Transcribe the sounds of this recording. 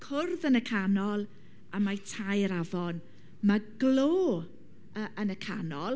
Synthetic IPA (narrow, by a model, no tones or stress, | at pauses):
kʰʊrðənəkʰanɔlˠ | amajtʰajɾavɔn | maɡ̥loː | əʔənəkʰanɔlˠ